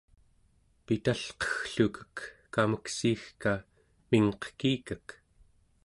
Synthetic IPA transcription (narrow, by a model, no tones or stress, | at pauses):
pit̪aɬqʌ̥xɬukʰə̥kː | aməksiːxka | miŋqə̥kiːkək